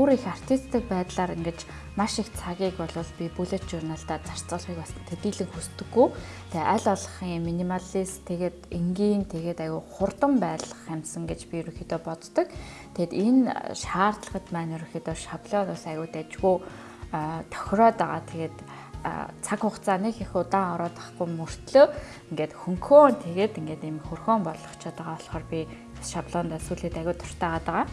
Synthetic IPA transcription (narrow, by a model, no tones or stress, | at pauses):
uɾixar̥t̪ʰist̪ʰɘ̆k̚pæːt̪ɮaːɾiŋɡĕt͡ɕ | maʃixt͡sʰaɣʲiːkpɔɮʊːɮpʲipuɮet̪t͡ɕurnaɬt̪æːt͡sar̥t͡sə̆ːɮχiːkɔsə̆nt̪ʰet̪iːɮɘ̆ŋxust̪ɵ̆ɡːuj | t̪ʰeʔæɮɔɮə̆χiŋminimaɮist̪ʰeɣeːt̪iŋɡiːnt̪ʰeɣeːt̪æjʊːχʊrt̪ə̆mpæːt̪ɮə̥̆χæmʲsə̆ŋɡet͡ɕpʲiɵɾɵ̆ŋxiːt̪ɔːpɔt͡s̪t̪ɞ̆k | t̪ʰet̪enʃaːrt̪ɮə̥̆ʁə̆t̪pæːnɵɾɵ̆ŋxʲit̪oːʃapɮɔːnt̪ʊsæɣʊːt̪æt͡ɕɣuj | t̪ʰɔ̥xʲrɔːt̪aʁa̰ːt̪ʰeɣeːt̪ː | t͡sʰakχʊχt͡sʰaːnekexʊt̪aːŋɔɾɔːt̪ə̥̆χɡujmur̥t̪ɮɵː | iŋɡeːt̪xɵŋkʰoːnt̪ʰeɣeːt̪iŋɡeːt̪imxɵrxoːmpɔɮɞ̆χt͡ɕʰat̪aʁaːɔɮχɔːrpʲi | ʃapɮɔːnt̪æsuːɮiːt̪æɣʊːt̪ʰʊ̥r̥t̪æːʁaːt̪aʁaː